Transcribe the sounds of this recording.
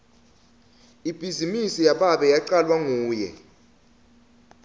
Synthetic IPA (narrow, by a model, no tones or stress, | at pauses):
ib̥ʱizimisijaɓaɓɛjaǃalwaŋuːjɛ̰